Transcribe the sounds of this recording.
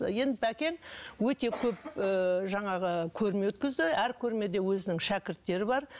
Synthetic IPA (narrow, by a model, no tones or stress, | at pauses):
je̞nd̪ɪpʰækʲe̞nwɵt̪e̞kʲʰɵp̚əʒɑɴɑʁəkʲʰɵɾme̞wɵt̪kʲɪzd̪ɪæɾkʲʰɵɾme̞d̪e̞wɵzɪnɪŋʃækʲɪɾt̪ːe̞ɾɪbɑɾ